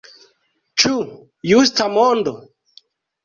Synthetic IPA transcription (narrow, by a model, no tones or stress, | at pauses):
t͡ʃu | justamondo